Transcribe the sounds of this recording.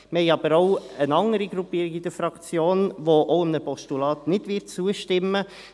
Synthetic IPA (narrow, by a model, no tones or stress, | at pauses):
mhɛjɑbəɾoʊənɑŋəɾiɡɾupiːɾiɡid̥̪əɾfɾɑkt͡sjoːnʋoʔoʊəmnəpɔʃtulɑːt̪nɪd̥ʋɪtt͡suəʃtɪmːə